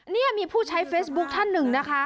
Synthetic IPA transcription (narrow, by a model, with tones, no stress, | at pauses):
ni˥˩ɐmiː˧pʰuː˥˩t͡ɕʰa˦˥jfeː˦˥sbu˦˥k̚t̪ʰa˥˩nːɯ˨˩ŋna˦˥kʰa˦˥